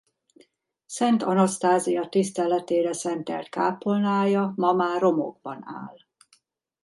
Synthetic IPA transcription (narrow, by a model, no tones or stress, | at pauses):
sɛnt̪ɒnost̪aːzijɒt̪ist̪ɛlɛt̪eːɾɛsɛnt̪ɛ̰lt̪kaːpolnaːjɒmɒmaːrro̞mo̰ɡ̚bɒ̰na̰ːl